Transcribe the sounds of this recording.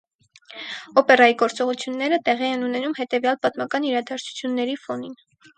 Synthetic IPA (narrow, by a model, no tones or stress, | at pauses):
ɔpɛrɑjiɡɔɾt͡sɔʁut͡sʰjunːɛɾət̪ɛʁiɛnunɛnumhɛt̪ɛvjɑlpɑt̪mɑkɑniɾɑd̪ɑɾt͡sʰu̥t͡sʰjunːɛɾifɔnin